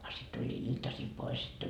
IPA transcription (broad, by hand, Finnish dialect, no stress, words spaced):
ɑ sit tulʲːiː iltɑsil pois sit